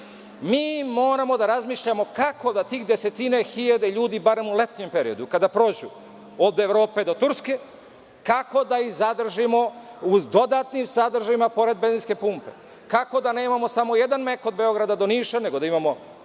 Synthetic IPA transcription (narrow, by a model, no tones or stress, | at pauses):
miːmo̞ːɾamo̞d̪aɾazmiːʃʎamo̞kako̞d̪at̪iːxd̪e̞se̞t̪ine̞xiʎad̪e̞ʎuːd̪ibaɾe̞mule̞t̪ɲe̞mpe̞ɾḭo̞d̪ukad̪apɾo̞ːd͡ʑu | oːʋd̪eːʋɾo̞ːpe̞d̪o̞t̪uɾske̞ | kako̞d̪aizad̪r̩ʒimo̞ud̪o̞d̪aːt̪nimsad̪rʒavimapo̞ɾe̞d̪̚bezinske̞puːmpe̞̰ | kako̞d̪ane̞ːmamo̞samo̞je̞d̪anmeko̞d̪̚beo̞ɡɾad̪ad̪o̞niːʃane̞ɡo̞d̪aimamo̞